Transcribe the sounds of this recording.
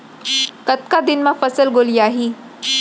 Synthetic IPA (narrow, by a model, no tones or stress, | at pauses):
kət̪̚kad̪inmafəsəlɡoliaɦiː